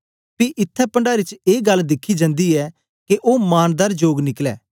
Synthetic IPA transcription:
piʔɪt̪ʰːɛpə̃ɳɖaːɾɪt͡ʃeːɡɐld̪ɪkʰːid͡ʒãːnd̪iɛː | keʔoːmaːnd̪əɾd͡ʒoːɡnɪklɛː

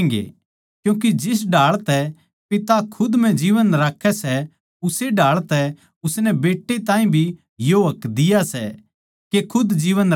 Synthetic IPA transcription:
ɡḛː | kjũːk̬id͡ʒɪs̬ɖaːɭt̪ɛ | pɪt̪akʰʊd̪m̤ɛ̃d͡ʒiːʋənɾaːkʰːɛsɛ | ʊseɖaːɭt̪ɛ | ʊsnɛbeːʈːet̪ãːĩbʱi | joɦɐkd̪ɪjasɛ | kekʰʊd̪d͡ʒiːʋən

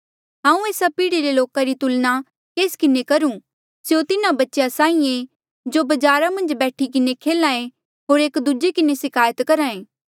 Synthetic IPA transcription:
ɦãːũeːsapiːɽiɾeloːkaɾit̪ʊlna | keːskɪnekɐɾũ | sjot̪ɪnãbɐtːʃjasãːĩẽ | d͡ʒobɐd͡ʒaːɾamɐ̃nd͡ʒbɛːʈʰik̬ɪnekʰeːlãːẽ | ɦoːɾeːkd̪ud͡ʒekɪnesɪkʰaːjət̪kɐɾaːẽː

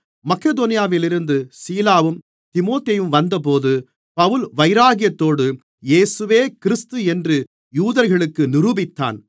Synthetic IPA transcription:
mɐkeðoːnɪjaːʋɪlɪɾɯnd̪ɯsiːlaːʋɯm | t̪ɪmoːt̪eːjɯmʋɐnd̪ɐp̬oːðɯ | pɐʋɯlʋɐɪɾaːɣɪjɐt̪ːoːɽɯ | jeːsɯʋeːkɪɾɪst̪ɯɛndrɯ | juːðɐɾɣɐɭɯkːɯnɪɾuːbɪt̪ːa̰ːn

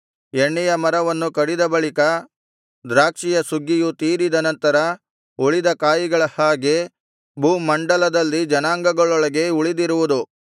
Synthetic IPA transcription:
eɳːɛjɐmɐɾɐʋɐnːukɐɽid̪ɐbɐɭikɐ | d̪ɾaːkʂijɐsuɡːijut̪iːɾid̪ɐnɐnt̪ɐɾɐ | uɭid̪ɐkaːjiɡɐɭɐhaːɡe | bʱuːmɐɳɖɐlɐd̪ɐlːid͡ʒɐnaːŋɡɐɡɐɭɔɭɐɡe̞uɭid̪iɾuʋud̪u

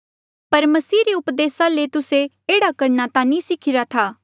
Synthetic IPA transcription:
pɐɾmɐsiːɾiʊpd̪eːsalet̪ʊse | eːɽakɐɾnat̪ãnĩsɪkʰɪɾat̪ʰaː

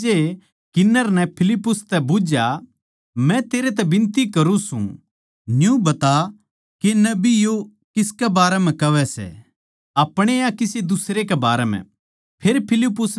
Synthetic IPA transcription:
e | kɪnːəɾnɛpʰɪlɪpːʊst̪ɛbʊd͡ʒja | mɛ̃t̪eːɾet̪ɛbɪ̃nt̪ikɐɾũsṵ̃ | njũbɐt̪a | kenɐbijo | kɪskɛbaːɾɛmɛ̃kɐʋɛsɛ̰ | ɐpɽ̃eakɪsed̪ʊsɾekebaːɾɛmɛ̰̃ | pʰeɾpʰɪlɪpːʊs

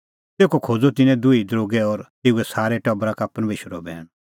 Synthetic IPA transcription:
t̪eːkokʰoːd͡zot̪ɪnɛ̃d̪ʊid̪ɾoːɡɛɔɾt̪eːuɛsaːɾɛʈɔbɾakapəɾmeːʃəɾɔbʱɛ̰ːɽ̃

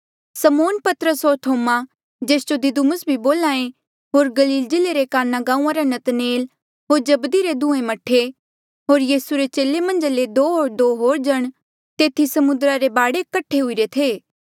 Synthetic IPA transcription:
səmoːnpɐt̪əɾəsɦoːɾt̪ʰoːma | d͡ʒeːsd͡ʒod̪ɪd̪umʊsbʱiboːlãːẽ | ɦoːɾɡɐliːld͡ʒɪleɾekaːnaɡãːũːãɾanɐt̪neːl | ɦoːɾd͡ʒɐbd̪iɾed̪ũːẽmɐʈʰe | ɦoːɾjiːsuɾet͡ʃeːlemɐ̃nd͡ʒaled̪oːɦoːɾd̪oːɦoːɾd͡ʒɐɽ̃ | t̪eːt̪ʰisɐmʊnd̪ɾaɾebaːɽekəʈʰeɦʊiɾet̪ʰeː

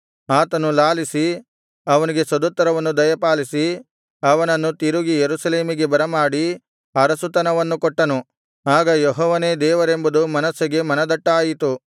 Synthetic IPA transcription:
aːt̪ɐnulaːlisi | ɐʋɐniɡe̞sɐd̪ut̪ːɐɾɐʋɐnːud̪ɐjɐpaːlisi | ɐʋɐnɐnːut̪iɾuɡijeɾusɐle̞ːmiɡe̞bɐɾɐmaːɽi | ɐɾɐsut̪ɐnɐʋɐnːukɔʈːɐnu | aːɡɐjɔɦɔːʋɐne̞ːd̪ɛːʋɐɾe̞mbɐd̪umɐnɐsːiɡe̞mɐnɐd̪ɐʈːaːjit̪u

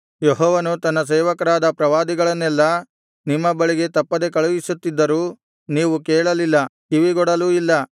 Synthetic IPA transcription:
jeɦɔːʋɐnut̪ɐnːɐs̬ɛːʋɐkɐɾaːd̪ɐpɾɐʋaːd̪iɡɐɭɐnːɛlːɐ | nimːɐbɐɭiɡe̞t̪ɐpːɐd̪e̞kɐɭuʋisut̪ːid̪ːɐɾuː | niːʋukɛːɭɐlilːɐ | iʋiɡɔɽɐluːilːɐ

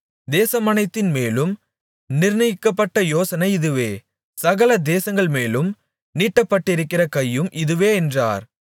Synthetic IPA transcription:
d̪eːsɐmɐnɐɪt̪ːɪnmeːlɯm | nɪɾnɐjɪkːɐpːɐʈːɐjoːsɐnɐɪɪðɯʋeː | sɐɣɐlɐd̪eːsɐŋɡɐɭmeːlɯm | niːʈːɐpːɐʈːɪɾɯkːɪrɐkɐjːɯmʔɪðɯʋeːɛndra̰ːɾ

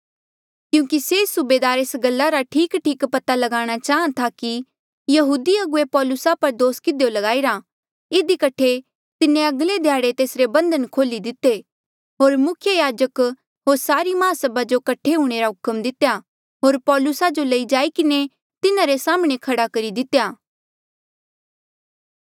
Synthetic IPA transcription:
kjũːkisesʊbeːd̪aːɾeːsɡɐlːaɾaʈʰiːkʈʰiːkpɐt̪alɐɡaːɽ̃at͡ʃaːɦə̃t̪ʰaki | jɐɦuːd̪iɐɡʊepɔːlʊsapɐɾd̪oːskɪd̪ejolɐɡaːiɾa | ɪd̪ikɐʈʰe | t̪ɪnːẽɐɡled̪ʱjaːɽet̪eːsɾebɐ̃nd̪ənkʰoːlid̪ɪt̪ːe | ɦoːɾmʊkʰjəjaːd͡ʒək | ɦoːɾsaːɾimaːsɐbad͡ʒokɐʈʰeɦũːɽ̃eɾaɦʊkəmd̪ɪt̪eja | ɦoːɾpɔːlʊsad͡ʒolɐid͡ʒaːikɪne | t̪ɪnãɾesaːmɽ̃ekʰɐɽakɐɾid̪ɪt̪ːejaː

